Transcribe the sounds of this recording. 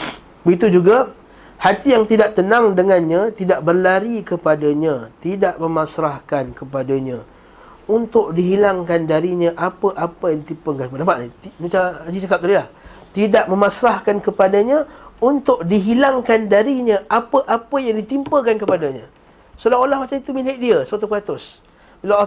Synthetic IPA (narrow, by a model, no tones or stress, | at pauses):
bəɡit̪ud͡ʒuɡa | hat̪ijaŋt̪idaʔ̚t̪ənãŋdəŋanɲat̪idaʔbərlaɾikəpadaɲãt̪idaʔməmãsɾahkankəpadaɲã | unt̪ʊk̚diɦilaŋkandaɾiɲãʔapəʔapəjaŋdit̪impəkankəpadabaʔnit̪inut͡ʃaad͡ʒit͡ʃakap̚t̪adilaht̪idaʔ̚məmasɾahkankəpadaɲãunt̪ʊʔ̚diɦilaŋkandaɾiɲaʔapəʔapəjaŋdit̪impəkankəpadaɲã | solaolahmat͡ʃanit̪umilɪʔ̚diəsəat̪̬upkat̪ʊs | bila